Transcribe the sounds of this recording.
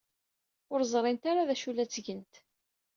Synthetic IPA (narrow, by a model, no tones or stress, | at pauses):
ʊɾzˤɾˤɪnt̪aɾaðæʃulæt͡sːʝənt̪